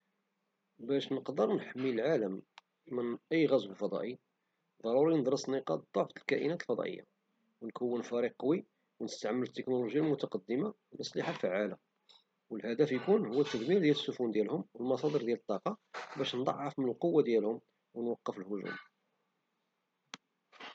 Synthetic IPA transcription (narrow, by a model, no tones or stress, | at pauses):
bæʃnəqd̪əɾˤnħəmːiəlʕaləm | mənʔəjːɣæzwəlfɑd̪ˤɑ̰ʔi | d̪ˤɑɾˤuɾinəd̪ˤɾˤɑsniqɑd̪ˤoʕflkæʔḭnæt̪əlfɑd̪ˤɑ̰ʔə̰jːa̰ | wnkəwːənfæɾiqːwi | wnəst̪aʕmːələt̪ːəknuluʒjalmʊt̪ɑqɑd̪ːəma | mʔəsˤliħalfəʕːala | wəlhæd̪æfjkunhʊwːæt̪ːəd̪miɾd̪jæləsːʊfund̪jælhʊmwəlmɑsˤɑd̪ˤəɾd̪jælət̪ˤːɑqɑbæʃnd̪ˤɑ̰ʕːɑfmənəlqowːad̪jælhʊm | wənwɑqːəfəlhʊʒṵm